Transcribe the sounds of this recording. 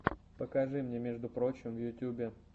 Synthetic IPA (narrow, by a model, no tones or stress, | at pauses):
pəkɐʐɨmnʲemʲeʐd̪ʊpɾo̞t͡ɕɪmvjʊtʲːubʲɪ